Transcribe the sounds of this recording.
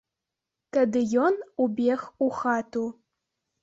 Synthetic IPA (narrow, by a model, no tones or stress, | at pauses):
tʰɐdɨjonubʲexuxatʰu